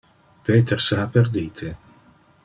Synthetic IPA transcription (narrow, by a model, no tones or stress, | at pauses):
peːt̪erseapːerd̪iːt̪ʰe